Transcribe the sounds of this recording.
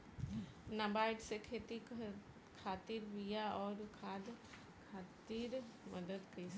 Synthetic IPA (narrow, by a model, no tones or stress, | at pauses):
nabaːɪʈsekʰeːt̪i | kʰaːt̪iɾʋijaɔːɾkʰaːd̪ | kʰaːt̪iɾməd̪əd̪kɐis